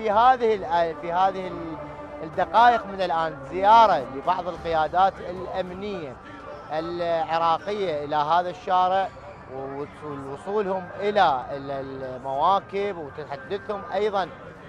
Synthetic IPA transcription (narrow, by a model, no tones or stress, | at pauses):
ihaːðɪhɪlʔafihaːðɪhɪl | d̪ɑqɑːʔəqmɪnɪlʔaːnzɪjɑːɾˤɑlibɑʕðˤɨlqɪjaːd̪aːt̪ɪlʔamnɪjːa | ʔɪlʕɪɾˤɑːqɪjːaʔɪlaɦaːðaʃːaːɾɪʕ | wɪlwʊsˤuːlhʊmʔɪla | mawaːkɪbwt̪ɪħad̪ːaθhʊmʔɑjðˤɑn